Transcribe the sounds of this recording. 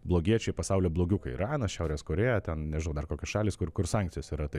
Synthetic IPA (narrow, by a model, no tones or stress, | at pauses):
blˠoːɡʲiɛt͡ʃʲɛɪpɐsɐʊlʲoːblˠoːɡʲukɐɪḭɾɑːnɐʃʲɛʊɾʲeːskoːɾʲeːjɛt̪ʲɛnnʲɛʒɪnoʊd̪ɐrkoːkʲɛsʃɑːlʲiːskʊɾkʊɾsɑŋkt̪ʲɪjoːsiːɾɐt̪ɐɪ